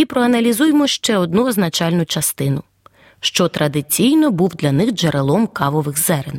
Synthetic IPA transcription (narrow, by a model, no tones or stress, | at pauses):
ipɾɔɐnɐlʲizujemɔʃt͡ʃɛɔd̪nuɔznɐt͡ʃɑlʲnʊt͡ʃɐst̪ɪnʊ | ʃt͡ʃɔt̪ɾʔɐd̪ɪt͡sʲijnɔbuwd̪lʲɐnɪxd͡ʒeɾʔelˠɔmkɑʋɔʋɪxzɛɾen